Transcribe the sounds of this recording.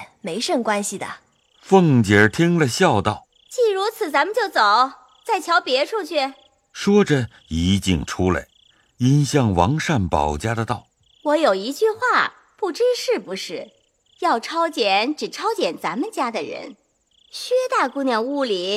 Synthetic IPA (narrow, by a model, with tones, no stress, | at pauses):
me˧˥ɪʂɤ˥˩ŋkwa˥nɕi˨d̪ə̰˩ | fɤ˥˧˩ŋt͡ɕjɛ˨˩˥t̪ʰi˥ŋlə˨ɕjɑ˥˧ʊt̪ɑ˥˩ʊ | t͡ɕi˥˩ɻu˧˥t͡sʰɹ̩˨˩t͡sa˧˥mə˨nt͡ɕjo˥˩ʊt͡so˨˩˦ʊ | t͡sa˥˩ɪt͡ɕʰjɑ˧˥ʊpjɛ˧˥ʈ͡ʂʰu˥˧t͡ɕʰy˥˩ | ʂwɔ˥ʈ͡ʂə˨ | i˧˥t͡ɕḭ˥˩ŋʈ͡ʂʰu˥la̰˧˩ɪ | i˥nɕjɑ˥˩ŋwɑ˧˥ŋʂa˥˩npɑ̰˨˩ʊt͡ɕja˥d̪ə˨t̪ɑ˥˩ʊ | wɔ˧˥jo˨˩ʊi˧˥t͡ɕy˥˧xwa˥˩ | pu˥˩ʈ͡ʂɻ̩˥ʂɻ̩˥˩pu˧˥ʂɻ̩˥˩ | jɑ˥˩ʊʈ͡ʂʰɑ˥ʊt͡ɕjɛ˨˩˦nʈ͡ʂɻ̩˨˩ʈ͡ʂʰɑ˥ʊt͡ɕjɛ˨˩nt͡sa˧˥mə˨nt͡ɕja˥d̪ə˨ɻə̰˧˥n | ɕɥɛ˥t̪a˥˩ku˥˧njɑ˥˧ŋu˥˩li˨˩˦